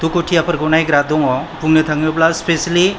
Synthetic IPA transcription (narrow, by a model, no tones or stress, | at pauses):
t̪ukoʈʰiapəɾɡonajɡɾad̪oŋɔpuŋnət̪ʰãŋɔplaspesli